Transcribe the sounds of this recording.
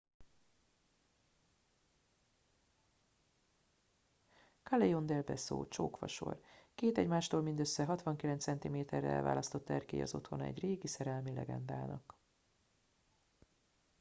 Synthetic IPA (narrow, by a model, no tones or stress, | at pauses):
kɒlejond̪ɛlbɛ̰so̰ːt͡ʃo̰ːkʋɒ̰ʃo̞̰rkeːt̪ɛɟmaːʃt̪oːlmind̪øsːɛɦɒt̪ʋɒŋkilɛnt̪sɛnt̪imeːt̪ɛrːɛ̰ɛ̰lva̰ːlɒst̪o̞t̪ːɛrkḛːjɒ̰zo̞t̪ho̞nɒɛ̰ɟreːɡisɛɾɛlmilɛɡɛ̰nd̪aːnɒk